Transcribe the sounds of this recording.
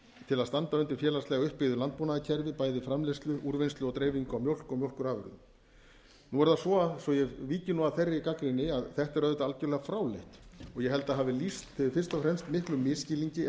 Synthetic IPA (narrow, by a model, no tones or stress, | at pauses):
t̪ʰɪlaðst̪ant̪aʏnt̪ɪɾ̥fjɛːlast̪ɛːɣaʏhpːɪðʏlant̪̚punaðɪcʰɛɾvɪpaːjðɪfɾamlest̪lʏʔuɾvejnst̪lʏɔt̪ɾeːjviŋkʏawmjowl̥kɔmjowl̥kʏɾaːvʏ̰ɾðʏ̰m | nuɛɾðasvɔasɔjɛviːcɪnuaðθerːɪikakɾɪnːɪaðθɛht̪ɛɾœðʏt̪aalcʏɾlɛɣafɾaːwleht̪ɔɣjɛɦɛlt̪aðɦaːvɪlist̪θɪðɪfɪ̥st̪ɔfɾɛmst̪mɪhklʏmːɪscɪliɲcɪ